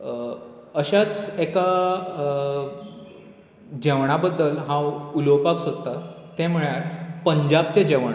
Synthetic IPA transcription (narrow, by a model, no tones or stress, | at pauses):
əɕat͡seka | d͡ʑɛʋɳ̃abəd̪ːəlɦãwulowpaksod̪t̪a | t̪ɛ̃m̤əɭjaɾpəɲd͡ʑab̚t͡ɕed͡ʑɛʋɳ